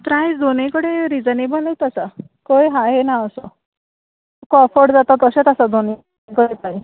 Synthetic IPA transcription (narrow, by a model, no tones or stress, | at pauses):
t̪ɾajsd̪onẽkəɽeɾid͡zənibʱələt̪asa | kojɦãɦenaəsɔ | kɔfəɽd͡zat̪ɔk̪əɕẽt̪asad̪ʱoni | kəɾepai